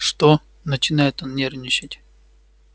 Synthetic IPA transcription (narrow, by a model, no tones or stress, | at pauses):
ʂt̪o | nət͡ɕɪnajɪt̪annʲernʲɪt͡ɕɪtʲ